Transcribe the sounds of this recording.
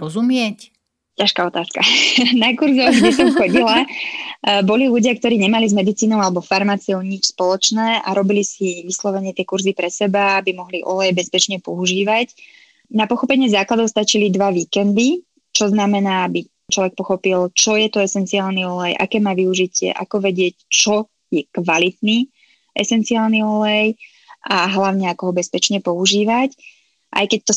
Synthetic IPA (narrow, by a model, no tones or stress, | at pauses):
ɾɔzumɪɛc | caʃkaːɔt̪aːskanakuɾzɔɡdɛs̬ɔmxɔɟila | bɔliluɟɪakt̪ɔɾiːɲɛmalizmɛd̪it͡siːnɔʊalɛbɔfaɾmaːt͡siɔʊɲit͡ʃspɔlɔt͡ʃnɛːa̰ɾɔbilisiʋislɔʋɛɲɪɛt̪ɪɛkuɾzipɾɛsɛbaabimɔɦliʔɔ̰lɛjbɛspɛt͡ʃɲɛpɔuʒiːʋac | napɔxɔpɛɲɪɛzaːklad̪ɔʊst̪at͡ʃilid̪ʋaʋiːkɛnd̪i | t͡ʃɔznamɛnaːabi | t͡ʃlɔʋɛk̚pɔxɔpilt͡ʃɔjɛt̪ɔɛsɛnt͡siaːlniɔlɛjʔa̰kɛːmaːʋiuʒicɪɛ̰ʔa̰kɔʋɛɟɪɛct͡ʃɔ | jɛkʋalit̪ni | ʔɛsɛnt͡siaːlniɔlɛj | ʔaɦlaʊɲɛakɔɦɔbɛspɛt͡ʃɲɛpɔuʒiːʋac | ʔa̰jkɛc̚t̪ɔ